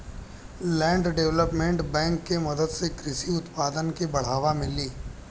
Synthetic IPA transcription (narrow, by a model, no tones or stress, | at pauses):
lɛ̃ːɳɖɖeʋləpmẽɳʈbɛ̃ːŋkːemɐd̪əd̪sekɾɪsiʊt̪paːd̪ənkebɐɽ̤aːʋamɪliː